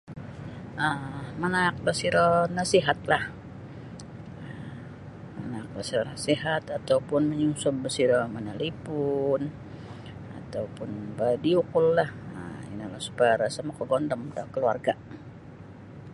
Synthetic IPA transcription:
ʔəmanak̚bəsiɾɔnasiɦat̪̚lah | ə | ma̰nak̚basiɾɔnasiɦat̪at̪awpʊnməɲuŋsʊmbəsiɾɔmanalipʊn | a̰t̪aupʊnbadiukʊlːahə̰ḭnalahsu̥paɾasamakəɡɔndəmdakəlua̰rɡa

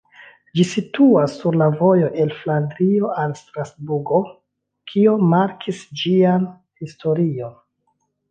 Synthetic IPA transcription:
d͡ʒisituasːuɾlavo̞jo̞ʔe̞lflandɾio̞ʔalstɾasbuɾɡo̞ | kʰio̞maɾkʰisd͡ʒian | histo̞ɾio̞n

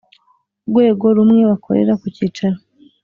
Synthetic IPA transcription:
ɡwe̞ːɡo̞ɾumŋe̞βakʰo̞̰ɾḛɾakuciːt͡ʃaɾo

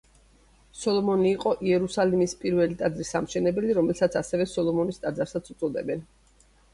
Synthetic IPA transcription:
sɔlˠɔmɔniːqʼɔʔiɛɾusalimispʼiɾvɛlit̪ʼad̪zɾisːamʃɛnɛbɛliɾɔmɛlsat̪sʰasɛvɛsɔlˠɔmɔnist̪ʼad̪zaɾsat̪sʰut̪sʼɔd̪ɛ̰bɛn

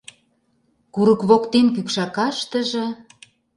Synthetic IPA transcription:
kuɾə̆kβokt̪enkykʃɑkɑʃt̪ə̆ʒĕ

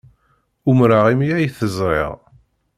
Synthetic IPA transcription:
umɾaʁimijæjθəzˤɾˤɪ̰ʁ

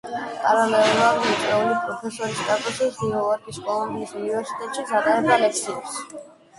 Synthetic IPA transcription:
kʼaɾalɛɾadmit̪sʼɛulipʼɾɔpʰɛsɔɾist̪ʼat̪ʼɔsisd̪iɔaɾkiskʼɔlˠɔnd̪iːsunivɛɾsi̥t̪ʼɛt̪ʼʃisʰaqʼaɾɛbalɛk̚ʰsʰiɛs

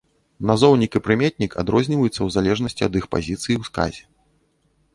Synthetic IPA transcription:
nazɔwnʲikɨpɾɨmʲeɛt̪̚ʲnʲika̰d̪ɾɔzʲnʲivɐjut̪sːɐwzalʲɛʐnɐsʲt͡sʲiɐd̪ixpa̰zʲit̪sɨjiwska̰zʲɛ

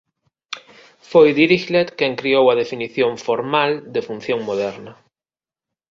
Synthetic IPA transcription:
fojðiɾiʃlet̪keŋkɾiowaðefiniθjõɱfoɾmald̪efun̟θjõŋmoðɛɾnɐ

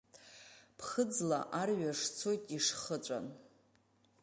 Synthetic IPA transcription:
pʰχəd͡zla̰ʔarɥaʂt͡sʰojtʼiʂχət͡ɕʷʼa̰n

